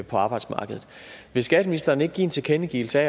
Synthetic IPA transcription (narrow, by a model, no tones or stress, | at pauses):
pʰɒ̽ɑ̈ːb̥ɑ̈ɪd̥smɑ̈ːɡ̥əð̞̩ˠʋe̝sɡ̥ɛd̥əminisd̥ɐːneɡ̥̚ɡḭːe̝nt͡sʰe̝kʰenəɡ̥ḭːl̩səɛ̰